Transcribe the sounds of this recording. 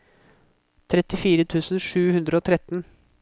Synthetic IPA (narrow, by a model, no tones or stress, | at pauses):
t̪ʰɾɛt̪ɪfiːɾət̪ʰʉːsn̩ʂʉːhʉnd̪ɾəoːt̪ʰɾɛt̪n̩